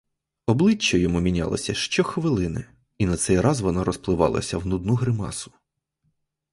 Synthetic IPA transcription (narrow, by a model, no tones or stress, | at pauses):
ɔblˠɪt͡ʃːɔjɔmumʲinʲa̰lˠɐ̰sʲɐʃt͡ʃɔxʋɪlˠɪnɪ̰ | inɐt̪sɛjrɑzʋɔnaɾɔsplˠɪʋɑ̰lˠɐ̰sʲɐwnud̪nuɦɾɪmɑ̰sʊ̥